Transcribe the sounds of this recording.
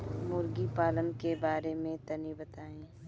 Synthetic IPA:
mʊɾɡipaːlənkebaːɾemẽt̪ɐnibɐt̪aːẽː

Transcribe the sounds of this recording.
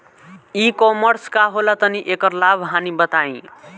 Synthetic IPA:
ikɔmʌɾskaɦolat̪ʌniʔekʌɾlabʱɦanibʌt̪aĩ

